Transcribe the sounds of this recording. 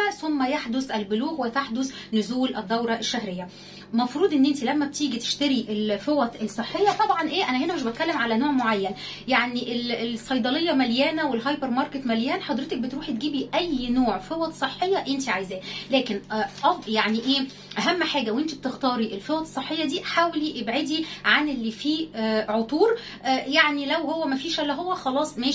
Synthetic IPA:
æsomːæjaħd̪osʔælboluːɣwet̪aħd̪os | nʊzuːlʔæd̪ːæwɾˤɑʔæʃːæhɾejːæ | mɑfɾuːd̪ˤʔenːʔent̪ilæmːæbet̪iːɡit̪e̥ʃt̪æɾiʔelfewɑt̪ˤesˤeħːejːɑt̪ˤɑbʕɑnʔeːʔænæhenæmeʃbet̪̚kælːemʕalænoːʕmoʕajːæn | jaʕniʔelesˤɑjd̪ˤɑlejːɑmæljæːnæwelɦɑjpeɾmɑɾˤket̪mæljæːnħɑd̪ɾet̪ek̚bet̪ɾuːħit̪ɡiːbiʔæjːnoːʕfewɑt̪sˤeħːejːɑʔent̪iʕajzæːlæːkenʔʔɑfjaʕniʔeː | ʔæɦæmːħaːɡæwʔent̪ib̚t̪ext̪ɑːɾiʔelfewɑt̪sˤːeħːejːɑd̪iːħaːweliʔebʕed̪iʕanʔelːifiːʕot̪ˤuːɾ | jaʕnilæwhowːæmæfiːʃælːæɦowːæxɑlɑːsˤmeː

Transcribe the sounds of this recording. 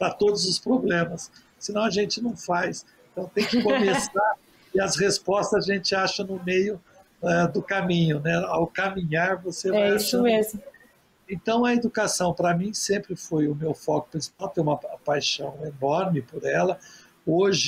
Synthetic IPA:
pɾɐt̪od̪ʊzʊspɾoblẽmɐsː | ɪnɐ̃w̃ɐʒẽnt͡ʃɪnɐ̃w̃fajsẽnt̪ɐ̃w̃t̪ẽj̃kɪkomesaɾ | ɪɐshespɔst̪ɐzaʒẽnt͡ʃɪaʃɐnʊmejʊ | ɛd̪ʊkamĩɲʊnɛawkamĩɲaɾvosevɛajismezmʊ | ẽnt̪ɐ̃w̃ɐed̪ukasɐ̃w̃pɾɐmĩsẽmpɾɪfojʊmewfɔkʊ̥pɾʲĩsi̥pawt̪ẽj̃ũmɐpajʃɐ̃w̃enɔɾmɪpoɾɛlɐ | oʒɪ

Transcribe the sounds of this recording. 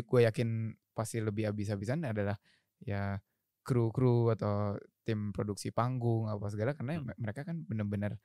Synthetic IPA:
ɡuajakɪn | past̪iləbɪɦabis̬abis̬anadalah | ja | kɾukɾuat̪awt̪ɪmpɾoduksipaŋɡʊŋapas̬əɡalakarnaməɾekakanbənərbənər

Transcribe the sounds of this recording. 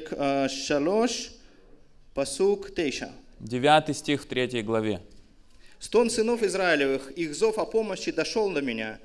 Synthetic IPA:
kːɐloʂ | pɐsukt̪ejʃɐ̰dʲɪvʲat̪ɨjsʲtʲixft̪ɾʲetʲjəjɡlˠɐvʲe | st̪onsɨnofɪzɾaɪlʲɪvɨxiɣzofɐpoməɕːɪd̪ɐʂolˠd̪ɐmʲɪnʲa̰

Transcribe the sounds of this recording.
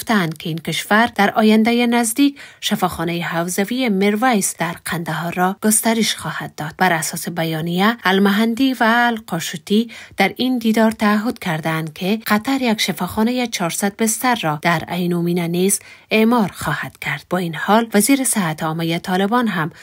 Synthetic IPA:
ft̪aːnd̪̚kʰeiːnkɪʃvaɾd̪̥aɾɒjand̪ajenazd̪ikʃafɒxɔnajehawzavijemeɾvajsd̥̪aɾqʰand̪aɦɔɾːɔɡ̥ʊst̪aɾɪʃxɒhad̪̚ːɒd̪̥̚baɾasɒsebajɒnijaalmaɦand̪ivaːlqɒʃut̪id̪̥aɾind̪id̪ɒɾt̪aːɦʊd̪̚kʰaɾd̪aːnd̪̚kʰeqʰat̪aɾjakʃafɒxɔnajet͡ʃʰɒɾsad̪̚bɪst̪aɾːɔd̪̥aɾa̰jnuminanizemɔɾxɒhad̪̥kʰaɾd̪̥̚bɒinhɔlvaziɾɪsɪɦat̪ɔmajet̪ʰɒlɪbɔnɦam

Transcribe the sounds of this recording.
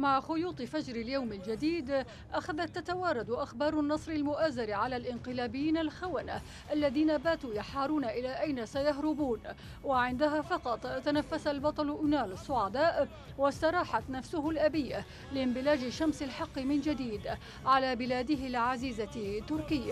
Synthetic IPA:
maʕxʊjuːt̪ˤɨfad͡ʒɾɪljawmɪld͡ʒad̪iːd̪ | ʔaxaðat̪ːat̪awɑːɾˤɑd̪ʔaxbɑːɾˤʊnːɑsˤɾɪlmʊʔaːzaɾʕalaːlʔɪnqɨlaːbɪjːiːnalxawana | ʔalːaðiːnabaːt̪uːjaħɑːɾˤuːnaʔɪlaːʔajnasajaɦɾɪbuːn | waʕɪnd̪aɦaːfɑqɑt̪ˤt̪ːanafːasalbɑt̪ˤɑlʔnaːlɑsˤːʊʕad̪aːʔ | wast̪ɑɾˤɑːħat̪nafsʊhʊlʔabijːa | lɪmbɪlaːd͡ʒɪʃamsalħɑqːmɪnd͡ʒad̪iːd̪ | ʕalaːbɪlaːd̪ɪɦɪlɪʕaziːzat̪ːʊɾkɪjːa

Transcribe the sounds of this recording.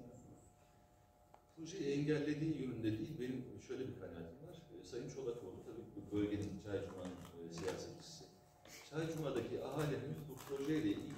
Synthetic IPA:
pʰɾo̞ʒejiɛɲɟælʲːe̞d̪iːjønynd̪ɛd̪iːlʲbe̞nimʃø̞jlʲebikʰajna̰ːt̪ʰimvaɾ̥sajɯnmʃo̞lˠakolˠut̪ʰabiːcʰibubølʲɟe̞nint͡ʃʰaɾd͡ʒumanɯnsija̰ːsɛt̪t͡ʃʰi̥sɪ | t͡ʃʰaɾd͡ʒumad̪acʰiʔaɦaːlʲeneizbupʰɾo̞ʒejd̪ʲɛʔḭl

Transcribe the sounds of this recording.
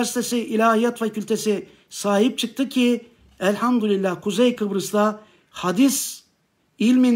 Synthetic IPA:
ɾsi̥t̪ʰesiʔilʲaːijat̪facʰylʲt̪ʰesi | saːɦip̚t͡ʃʰɯk̚t̪ʰɯcʰi | ælʲhamd̪ulilʲːakʰuzɛjkʰɯbɾɯsd̪a | had̪is | ilʲmin

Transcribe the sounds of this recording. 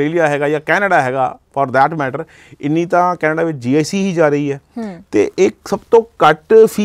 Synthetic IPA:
eːlijaːɦɛːɡaːjaːkɛːnəɖaːɦɛːɡa̰ːpɔːɾd̪ɛːʈmɛːʈəɾ | ɪnːĩːt̪ãːkɛːnəɖaːʋɪt͡ʃd͡ʒiːaːsiːɦiːd͡ʒaːɾəiːɦɛːt̪ḛːʔɪksəbt̪õːkəʈpʰi

